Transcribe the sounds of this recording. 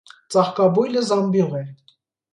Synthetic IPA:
t͡sʼɑχkɑbujləzɑmbiʁɛɾ

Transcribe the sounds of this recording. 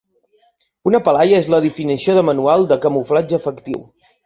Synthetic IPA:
unəpəlajəezləðifinisioðəmənualˠd̪əkəmuflad͡ʒəːfəkt̪ḭw

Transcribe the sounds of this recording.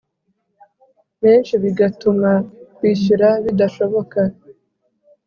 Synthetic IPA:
βeːnʃiβiɡatumakwiːʃuɾaβidaʃo̞βo̞ka

